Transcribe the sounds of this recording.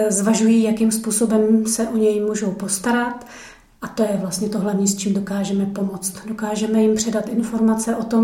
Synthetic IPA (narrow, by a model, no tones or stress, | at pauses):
zvaʒujiːjakimspuːso̞bɛmsɛʔo̞ɲɛjmuːʒowpo̞st̪aɾat̪ | ʔat̪o̞jɛvlast̪ɲɛt̪o̞ɦlavɲiːst͡ʃiːmdo̞kaːʒɛmɛpo̞mo̞t͡st̪do̞kaːʒɛmɛjɪmpr̥ɛdat̪ʔɪnfo̞ɾmat͡sɛʔo̞t̪o̞m